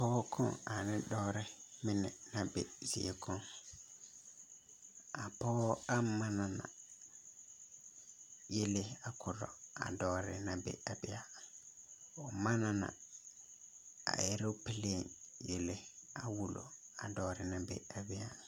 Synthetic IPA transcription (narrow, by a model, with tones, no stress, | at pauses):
pɔː˦kʰɔ̃˦a˨nɪ̃˦dɔː˦ɾɪ˦mɪ̃˦nɪ̰̃˨nã˨bḛ˨zḭ˨e˨kʰɔ̃˦n | a˨pɔː˦a˦mã˦nã˨nã̰˨ | je˦le˦a˨kʰʊ˨ɾɔ̰˨a̰˨dɔː˦ɾɪ̰˨nã˨bɛ̰˦˨a˨bɪ˦a˨ | ɔ˨mã˦nã˨nã̰˨ | a̰˨je˦ɾe˦o˦pɪ˦le˦˨n | je˨le˦a˨wu˨lo̰˨ | a˨dɔː˦ɾɪ˨nã˨bḛ˦˨a˨bɪ˦a˨